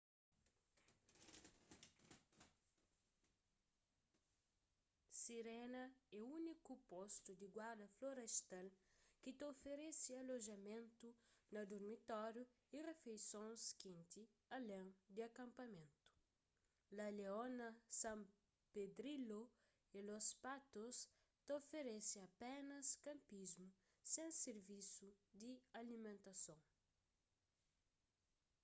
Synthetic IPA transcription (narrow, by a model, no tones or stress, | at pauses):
siɾɛnɐɛunikupost̪ud̪iɡwaɾd̪ɐfloɾest̪alkit̪ofeɾesiɐloʒɐmẽnt̪unɐd̪oɾmit̪ɔɾju | irefejsõnskĩnt̪i | ɐlẽŋd̪iakɐ̃mpɐmẽnt̪u̥ | lɐleonɐsãm | ped̪ɾilo | elospat̪os | t̪ofeɾesiɐpenɐskɐ̃mpizmu | sẽŋseɾvisud̪ialimẽnt̪ɐsõŋ